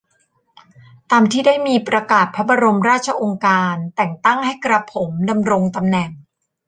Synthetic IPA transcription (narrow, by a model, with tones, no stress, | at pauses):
t̪aː˧mt̪ʰiː˥˩daː˥˩jmiː˧pɾa˧kaː˨˩t̪̚pʰa˦˥ba˧ɾo˧mɾaː˥˩t̪̚t͡ɕʰa˧ʔo˧ŋkaː˧nt̪ɛ˨˩ŋt̪a˥˩ŋɦa˥˩jkɾa˧pʰːo˩˦mda˧mɾo˧ŋt̪a˧mnɛ˨˩ŋ